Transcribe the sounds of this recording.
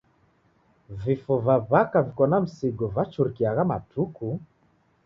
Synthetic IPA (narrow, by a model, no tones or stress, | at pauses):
vifɔvaβakavikɔnam̩siɡɔvat͡ʃuɾikiaɣamatʰuku